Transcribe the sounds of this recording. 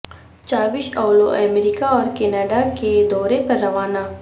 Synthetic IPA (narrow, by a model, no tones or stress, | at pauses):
t͡ʃaːʋɪʃɐːloʔɛːmɾiːkaɔːɾkɛːnəːɖaked̪ɔːɾepɐɾːɐʋaːna